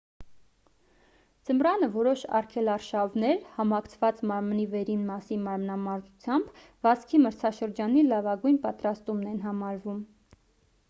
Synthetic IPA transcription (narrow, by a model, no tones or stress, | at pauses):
d͡zəmɾɑnəvɔɾɔʃɑ̰rkʰɛlɑɾʃɑvnɛɾhɑmɑkʰt͡sʰvɑt͡smɑɾmnivɛɾinmɑsinmɑɾmnɑmɑɾzut͡sʰjɑmb | vɑskʰiməɾt͡sʰɑʃəɾd͡ʒɑnilɑvɑɡujnpɑt̪ɾɑst̪umnɛnɦɑmɑɾvum